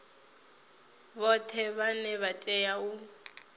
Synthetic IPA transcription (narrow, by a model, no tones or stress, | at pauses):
bɔtʰɛβanɛβatʼɛjau